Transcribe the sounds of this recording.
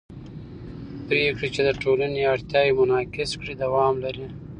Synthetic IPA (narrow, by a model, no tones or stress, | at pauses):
pɾekɽit͡ʃed̪əʈolaneaɽt̪jɑjemʊnɑkɪskɽid̪awɑmlaɾi